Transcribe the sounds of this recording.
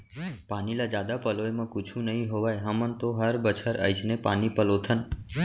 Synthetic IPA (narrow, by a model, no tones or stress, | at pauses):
panilad͡ʒad̪apəlojmãkũt͡ʃʰũnəɦĩɦoʋajɦəmənt̪oɦəɾbət͡ʃʰəɾə̰jt͡ʃʰnepanipəlot̪ʰən